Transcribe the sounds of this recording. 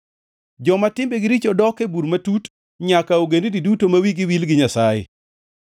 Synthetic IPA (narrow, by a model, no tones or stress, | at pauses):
d͡ʒɔmatɪmbeɡɪɾit͡ʃɔdɔkebuɾmatut | ɲakaoɡendididutomawiɡɪwilɡɪɲasajɪ̰